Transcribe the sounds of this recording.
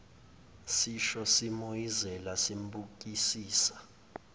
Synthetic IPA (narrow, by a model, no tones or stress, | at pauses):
siʃɔsimojizɛlasimbʱuk̬isiːsḁ